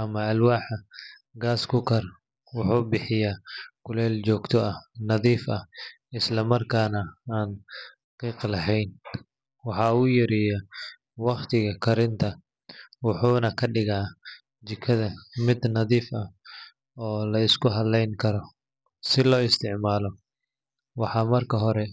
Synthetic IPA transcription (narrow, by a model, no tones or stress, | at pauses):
ʔɐmɐɐlwaːħɐ | ɡaːskʰʊkʰɐr | wʊħuːbɪħɪjaːkʰʊlɛːlt͡ʃɔːɡt̪ʰɔʔɐnɐðiːfɐ | ɪslɐmɐrkʰaːnɐaːn | qiːqlɐɦɛjn | wɑħɑːʊjɐɾijɐ | wɑqt̪ʰɪɣɐkʰɐɾɪnt̪ʰɐ | wʊħuːnɐkʰɐɖɪɣaː | t͡ʃɪkʰːɐðɐmɪd̪nɐðiːfɐ | ɔːlɐɪskʰʊɦɐllːɛjŋkʰɐɾɔ | sɪlɔːɪst̪ʰɪʕmaːlɔ | wɑħɑːmɐrkʰɐɦɔɾɛ